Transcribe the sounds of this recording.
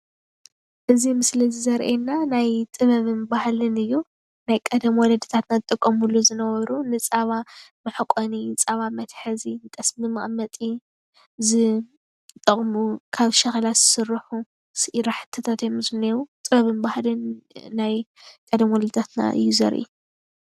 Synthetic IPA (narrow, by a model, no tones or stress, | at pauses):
ʔɨzimɨslizizɐɾʔenːanajt̪ʼɨβɐβɨnbahlɨnɨjːu | najkʼɐd̪ɐmwɔlɐd̪ɨt̪ʰat̪nazɨt̪ʼɨkʼːɐmulːuzɨnɐβɐβɾunɨt͡sʼaβamɨħɨkʼɔnit͡sʼaβamɐt̪ħɨzint̪ʼɐsmɨmɨʔʼmɐt̪ʼi | zɨ | t̪ʼɐχʼmukʰaβʃɐxlaz̥ɨsɨrːɨħu | sɨʔiɾaħɨ̥t̪ʰɐt̪ʰat̪emɨsmnewut̪ʼɨβɐβɨnbahlɨnːajkʼɐd̪ɐmwɔlɐd̪ɨt̪ʰat̪na̰ʔɨ̰jːuzɐ̰ɾʔḭ